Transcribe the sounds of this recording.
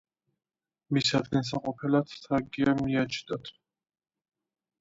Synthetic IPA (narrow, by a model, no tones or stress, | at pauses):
misad̪ɡans̬aqʼɔpʰɛlat̪ʰt̪ʰaɡiamiat͡ʃʰd̪at̪ʰ